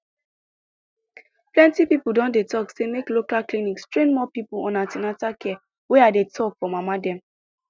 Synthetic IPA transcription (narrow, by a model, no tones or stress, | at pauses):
plɛ̃ntipipudɔ̃ndetʰɔksemeklokalklinikstɹẽnmɔpipuɔ̰̃natinatakʰɛ | weadetʰɔkfɔmamadɛ̃m